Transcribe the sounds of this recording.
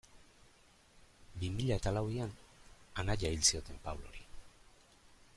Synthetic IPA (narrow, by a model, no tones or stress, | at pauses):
bimiʎae̞t̪alawiananaʎailsio̞t̪e̞mpawlo̞̰ɾi